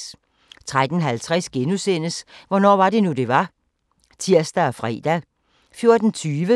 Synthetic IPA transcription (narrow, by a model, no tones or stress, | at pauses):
t͡sʰʁad̥n̩ɦælt͡sʰʁɛsɡ̥enusen̰əsʋɒnɒ̰ːʋɑ̈ɾe̝nud̥e̝ʋɑ̈ | t͡sʰiɐ̰sd̥æɒfʁɛ̰ːd̥æ | fjo̝ɐd̥n̩t͡sʰyːʋə